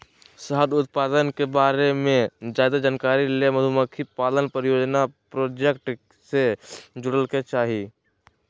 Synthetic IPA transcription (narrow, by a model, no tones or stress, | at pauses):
səɦəd̪ʊt̪̚paːd̪ənkebaːɾemẽd͡ʒaːd̪ad͡ʒankaːɾileməd̪ʱuməkʰipaːlənpəɾjoːd͡ʒnapɾoːd͡ʒekʈ | sed͡ʒʊɽəlket͡ʃaːɦi